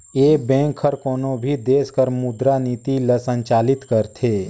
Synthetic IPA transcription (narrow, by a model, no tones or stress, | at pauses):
eːbɛ̃ːŋkʰəɾkoːnõbʱid̪eːskəɾmʊd̪ɾaniːt̪iləsə̃ɲt͡ʃaːlɪt̪kəɾt̪ʰeː